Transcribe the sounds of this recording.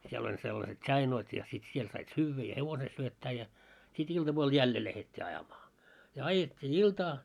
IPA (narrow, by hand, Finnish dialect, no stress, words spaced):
siel olʲ selːɑset ts̆ɑinoit jɑ sit siel sɑit syːʋːæ jɑ heʋose syøtːæː jɑ sit iltɑpuol jælːe læhetʲːi ɑjɑmɑː jɑ ɑjetʲːiː iltɑː